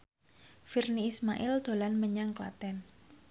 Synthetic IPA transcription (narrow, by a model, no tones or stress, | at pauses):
firniːsma̰ʔɪld̪̥o̤lanməɲaŋkla̰t̪ɛn